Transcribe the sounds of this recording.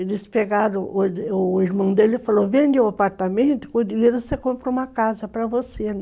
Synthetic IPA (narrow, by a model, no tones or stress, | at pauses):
elɪspeɡaɾõʊiɾmɐ̃w̃d̪elɪfalovẽnd̪ɪwapaɾt̪amẽnt̪ʊ̥kõd̪iveɾvosekõmpɾɐũmɐkazɐpɾɐvose